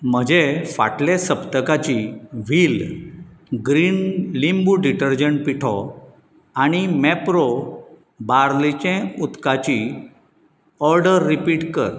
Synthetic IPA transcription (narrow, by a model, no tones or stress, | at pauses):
m̤əd͡ʑefa̰ʈlesəpt̪əkat͡ɕiʋiːl | ɡɾiːnlimbuɖiʈəɾd͡ʑəɳʈ̚piʈʰɔ | aɽ̃imɛpɾo | baɾlit͡ɕɛ̃ut̪kat͡ɕi | ɔɾɖəɾːipiːʈkə̰ɾ